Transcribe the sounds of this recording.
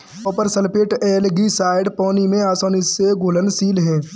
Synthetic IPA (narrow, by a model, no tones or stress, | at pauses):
ɔːpəɾsəlpeːʈɛːlɡisaːɪɖpɔːnimẽaːsɔːniseɡʱoːlənsiːlɦɛ̃ː